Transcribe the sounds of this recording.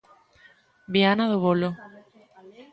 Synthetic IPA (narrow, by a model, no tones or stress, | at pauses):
bianaðoβolo